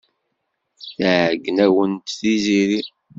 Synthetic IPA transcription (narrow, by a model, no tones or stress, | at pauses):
θəʕəɡːənæwənt̪θiziɾi